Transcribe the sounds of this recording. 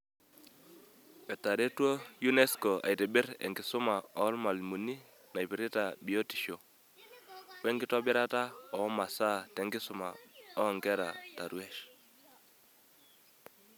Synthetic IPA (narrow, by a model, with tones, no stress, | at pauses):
ɛ˨tːa˨ɾe˦two˦ju˦ne˦sko˨a̰˨jtɛ˨bɪ˦ɾɛ̰˨ŋɡɪ˨sʊ˦ma˨ɔ˦lma˨lmu˨ni˦ | na˨jpi˨ɾi˦ta˨bi˨o˦ti̥˨ʃo˨ | wɛ˦ŋɡɪ˦tɔ˦bɪ˦ɾa˦ta˦ɔ˨˦ma˨sa˦tɛ˨˦ŋɡɪ˦sʊ˨˦ma̰˨ɔ˦˨ŋɡɛ˦ɾa̰˨ta˨ɾu˦ɛ˦ʃ